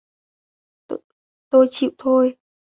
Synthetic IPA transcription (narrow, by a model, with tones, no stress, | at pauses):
t̪o˧jt͡ɕḭ˧˨wt̪ʰo˧j